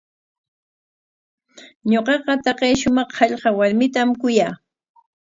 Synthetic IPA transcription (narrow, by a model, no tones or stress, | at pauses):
ɲoqɑqɑt̪ɑqejʃʊmɑχhɑʎɢɑwaɾmɪt̪amkʊjaː